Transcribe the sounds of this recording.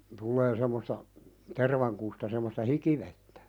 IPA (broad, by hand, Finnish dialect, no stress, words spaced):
tulːeː semːostɑ terʋɑŋkustɑ semːostɑ hikiʋetːæ̥